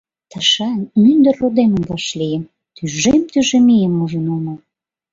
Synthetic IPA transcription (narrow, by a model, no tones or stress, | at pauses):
t̪əʃɑnmynd̪ərːod̪eməmvɑʃlijəm | t̪yʒemt̪yʒemijəmuʒənumə